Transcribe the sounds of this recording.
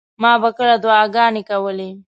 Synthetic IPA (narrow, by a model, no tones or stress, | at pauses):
mɑbakəɭad̪wɑɡɑnekawəle